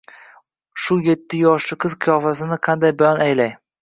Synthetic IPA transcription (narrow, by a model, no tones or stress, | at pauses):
ʃʊje̞t̪ʰːɪjɒʃlɪqʰɨzqʰɨjɒfasɪnɪqʰɑnd̪ajbajɒnajlaj